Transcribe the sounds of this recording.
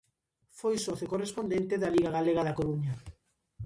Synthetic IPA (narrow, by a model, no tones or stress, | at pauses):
fojsoθekorespond̪ent̪eðaliɣaɣaleɣaðakoɾuɲa